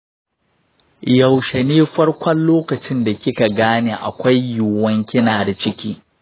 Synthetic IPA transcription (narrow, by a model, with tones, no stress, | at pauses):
ja˨wʃe˨neː˦ɸɐ˦rkʷɐ˦nloː˦kɐ˨t͡ʃɪ˦nda˨kʲɪ˦ka˨ɡaː˦neː˦ʔa̰˨kʷa˦jjʊː˨wɐ˦ŋkʲɪ˦naː˨da˨t͡ʃɪ˦kʲiː˦